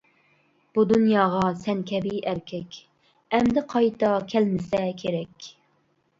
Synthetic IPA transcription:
b̥ud̪unjɑːʁɑsɛnkʲʰɛbijʔæɾkʲʰɛkʲ | ɛmd̪ɪqʰɑjt̪ɑkʲʰɛlmɪsɛkʲʰeɾɛkʲ

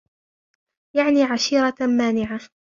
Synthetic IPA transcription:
jaʕniːʕaʃiːɾɑmaːnɪʕa

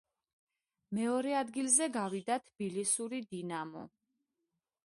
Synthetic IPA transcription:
mɛɔɾɛad̪ɡilzɛɡavid̪at̪ʰb̥ilisuɾid̪inamɔ̰

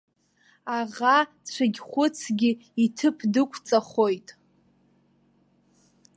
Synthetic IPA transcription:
aʁa | t͡ɕʷʰɨɡʲχʷʊt͡sʰɡʲɪitʰɨpʰdɨkʷʰt͡sʼaχo̞jtʼ

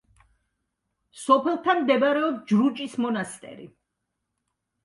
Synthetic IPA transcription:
sɔpʰɛlˠt̪ʰamd̪ɛbaɾɛɔbd͡ʒɾut͡ʃʼismɔnast̪ʼɛ̰ɾḭ

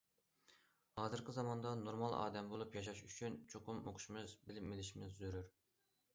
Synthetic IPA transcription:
hɑːzɨɾqʲɪzɑmɑnd̪ɑnoɾmɑlˠʔɑ̰ːd̪ɛmbolˠupjɑʃɑʃyt͡ʃʰynt͡ʃʰoqʊmo̰qʰʊ̥ʃmɨzbɪlɪpmɪlɪʃimɪzːyɾyɾ

